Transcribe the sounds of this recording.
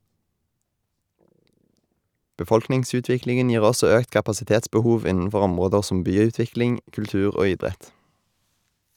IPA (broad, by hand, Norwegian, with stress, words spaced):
bəˈfɔlknɪŋˌsʉːtʋɪklɪŋn̩ ˈjiːʁ ˈɔsɔ ˈøːkt kɑpɑsɪˈteːtsbəˌhuːʋ ˈɪnənˌfɔʁ ˈɔmʁoːdəʁ ˈsɔm ˈbyːˌʉːtʋɪklɪŋ kʉlˈtʉːʁ ˈoː ˈɪdʁɛt